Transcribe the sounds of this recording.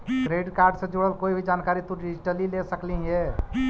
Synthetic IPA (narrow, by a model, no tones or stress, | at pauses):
ʈɾeɖkaːɾɖsẽd͡ʒoɽəlkoːibʱid͡ʒaːnkaːɾit̪oɖid͡ʒiʈəlilesəklĩɦe